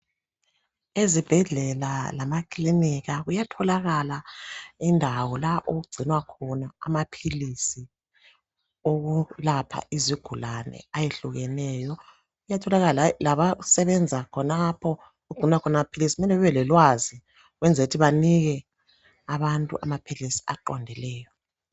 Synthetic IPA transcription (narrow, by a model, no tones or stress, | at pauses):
ezib̥ʱɛɮɛlalamakʰʼliniɣaɣujatʰɔlaɣalaindʱawɔlaʔoɣuɡ͡ǀʱinwakʰɔnaa̰mapʰilisi | oɣulapʰa̰ʔiziɡ̥ʱulanɛ̰ajeɬuɣɛnɛjɔ | ɣujatʰɔlaɣalalaβasɛβɛnd͡zʱakʰɔnapʰɔ | ɣuɡ͡ǀʱinwakʰɔnamapʰilisimɛlɛβɛβɛlɛlwazi | ɣwɛnd͡zʱeutʰiβaniɣɛ | aβantʼṵʔa̰mapʰilisi̥a̰ǃɔndʱɛlɛːjɔ